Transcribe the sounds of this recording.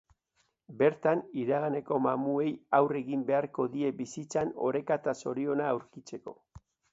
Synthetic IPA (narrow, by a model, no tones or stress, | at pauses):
be̞ɾt̪aniɾaɣane̞ko̞mamue̞jawre̞ɣimbe̞aɾko̞ðie̞bisit͡sano̞̰ɾe̞kat̪aso̞ɾio̞naːwɾkit͡se̞ko̞̰